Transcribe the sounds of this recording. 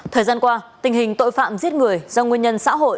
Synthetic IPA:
t̪ʰəː˨˩jzaː˧nkwaː˧t̪ï˨˩ŋ̟ɦï˨˩ŋ̟t̪o̰˧˨jfa̰ː˧˨mzi˦˥ət̚ŋɨ˨˩əjzɔ˧ŋwi˧ənɲə˧nsa̰ː˧˥ɦo̰˧˨ʔ

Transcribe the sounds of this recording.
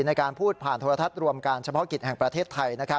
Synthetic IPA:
na˧jkaː˧npʰuː˥˩t̪̚pʰaː˨˩nt̪ʰoː˧ɾa˧t̪ʰa˦˥t̪̚ɾu˧əmka˧nt͡ɕʰa˧pʰɔ˦˥ki˨˩t̪̚hɛ˨˩ŋpɾa˧eː˥˩t̪ʰːa˧jna˦˥kʰɾa˦˥

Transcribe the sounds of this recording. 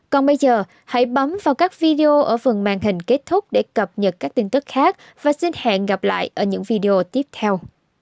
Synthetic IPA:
kɔ˨˩nɓə˧jzəː˨˩ | ha̰˧˥jɓə˨˦mvaː˨˩wkaː˦˥k̚vi˧ɗe˧o˧ʔəː˧˩fɨ˨˩ŋmaː˨˩ŋɦï˨˩ŋ̟ke˦˥t̚t̪ʰʊ˦˥k͡p̚ɗe˧˩kə˨˩p̚ɲə˨˩t̚kaː˦˥k̚t̪i˧ŋ̟t̪ɨ˦˥k̚xaː˦˥k̚ | v̥aː˨˩si˧nha̰ː˧˨nɣa˨˩p̚la̰ː˧˨jʔəː˧˩ɲɨ̰˧˥ŋvi˧ɗe˧o˧t̪i˦˥əp̚t̪ʰɛ˧w

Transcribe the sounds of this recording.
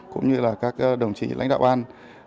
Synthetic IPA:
kʊ̰˧˥ŋ͡mɲɨ˧laː˨˩kaː˦˥k̚ːɗə˨˩wŋ͡mt͡ɕḭ˧˩la̰˧˥jŋ̟ɗa̰ː˧˨wʔaː˧n

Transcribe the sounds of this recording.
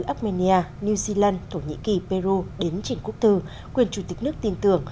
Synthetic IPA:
ʔaː˦˥p̚mɛ˧ni˧aː˧ni˧zi˧laː˧nt̪ʰo˧˩ɲḭ˧˥ki˨˩pe˧ɾu˧ɗe˨˦nt͡ɕi˧˩˨ŋ̟ku˦˥ək̚t̪ʰɨ˧ | kwi˨˩ənt͡ɕu˧˩t̪ï˨˩k̚nɨ˦˥ək̚t̪i˧nt̪ɨ˨˧˩əŋ

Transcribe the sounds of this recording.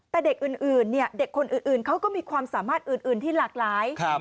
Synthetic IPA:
t̪ɛː˨˩de˨˩k̚ʔɯː˨˩nʔɯː˨˩nːi˥˩ɐde˨˩kʰːo˧nʔɯː˨˩nʔɯː˨˩nkʰa˦˥wkɔː˥˩miː˧kʰwaː˧msaː˩˦maː˥˩t̪̚ʔɯː˨˩nʔɯː˨˩nt̪ʰiː˥˩laː˨˩k̚laː˩˦jkʰa˦˧

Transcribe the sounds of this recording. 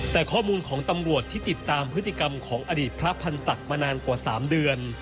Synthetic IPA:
t̪ɛː˨˩kʰɔː˥˩muː˧nkʰɔː˩˦ŋt̪a˧mɾu˨˩ət̪ʰːiː˥˩t̪i˨˩t̪ːaː˧mpʰɾɯ˦˥t̪ʰːi˧˩ka˧mkʰɔː˩˦ŋʔa˧diː˨˩t̪̚pʰɾa˦˥pʰa˧nsa˨˩k̚maː˧naː˧nkwaː˨˩sa̰ː˩˦mdɯ˧ən

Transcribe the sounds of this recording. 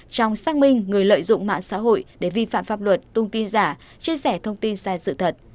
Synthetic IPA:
t͡ɕɔ˧wŋ͡msaː˧ŋ̚mï˧ŋ̟ːŋɨ˨˩əjlə̰ː˧˨jzʊ̰˧˨ŋ͡mma̰ː˧˨nsa̰ː˧˥ɦo̰˧˨jɗe˧˩vi˧fa̰ː˧˨mfaː˧˩p̚lwə˨˩t̚t̪ʊ˧wŋ͡mt̪i˧nzaː˧˩ | t͡ɕi˧əsɛ˧˩t̪ʰə˧wŋ͡mt̪i˧nsaː˧jsɨ̰˧˨t̪ʰə˨˩t̚

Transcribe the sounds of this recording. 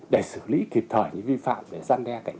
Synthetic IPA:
ɗə˧˩jsɨ˧˩lḭ˧˥ki˨˩p̚t̪ʰəː˧˩jɲɨ̰˧˥ŋvi˧fa̰ː˧˨mɗe˧˩zaː˧nɗɛ˧ka˨˧˩jŋ̟

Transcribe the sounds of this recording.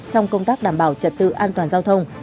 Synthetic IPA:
t͡ɕɔ˧wŋ͡mkə˧wŋ͡mt̪aː˦˥k̚ɗaː˨˩mɓaː˧˩wt͡ɕə˨˩t̚t̪ɨ̰˧˨ʔaː˧nt̪waː˨˩nzaː˧wt̪ʰə˧wŋ͡m

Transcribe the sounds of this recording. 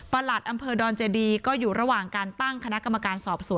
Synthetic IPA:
pa˧la˨˩t̪̚ʔa˧mpʰɤː˧dɔː˧nt͡ɕeː˧diː˧kɔː˥˩juː˨˩ɾa˧waː˨˩ŋkaː˧nt̪a˥˩ŋkʰa˧na˦˥ʔka˧mːa˧kaː˧nsɔː˨˩p̚su˨˩˦

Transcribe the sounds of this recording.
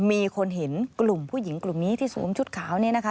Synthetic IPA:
miː˧kʰo˧nɦe˩˦nklu˨˩mpʰuː˥˩ji˩˦ŋklu˨˩mniː˦˥t̪ʰiː˥˩sṵː˩˦mt͡ɕʰu˦˥t̪̚kʰaː˩˦wni˥˩na˦˥kʰa˦˥

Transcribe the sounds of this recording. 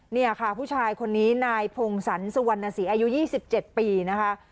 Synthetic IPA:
ni˥˩ɐkʰa˥˩pʰuː˥˩aː˧jkʰo˧nːiː˦˥naː˧jpʰo˧ŋsa˩˦nsu˧wa˧nːa˧siː˩˦ʔaː˧ju˦˥jiː˥˩si˨˩p̚t͡ɕe˨˩t̪̚piː˧na˦˥kʰa˦˥

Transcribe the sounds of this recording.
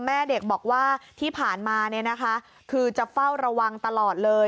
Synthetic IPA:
mɛː˥˩de˨˩k̚bɔː˨˩k̚waː˥˩t̪ʰiː˥˩pʰaː˨˩nmaː˧ni˥˩ɐna˦˥kʰa˦˥ | kʰɯː˧t͡ɕa˨˩fa˥˩wɾa˧wa˧ŋt̪a˧lɔː˨˩t̪̚lɤː˧

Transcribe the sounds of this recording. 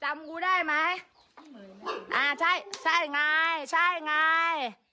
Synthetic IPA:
t͡ɕa˨˦mku˧˦ɗa˧˩jma˨˧j | ʔaː˨˩sa˧˩jsa˧˩jŋaː˨˩jsa˧˩jŋaː˧j

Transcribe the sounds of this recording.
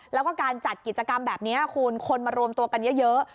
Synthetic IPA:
lɛ˦˥wkɔː˥˩kaː˧nt͡ɕa˨˩t̪̚ki˨˩t̪̚t͡ɕa˧ka˧mbɛː˨˩p̚ni˦˥ɐkʰu˧nkʰo˧nmaː˧ɾu˧əmt̪u˧ɐka˧njɤ˦˥jɤ˦˥ʔ

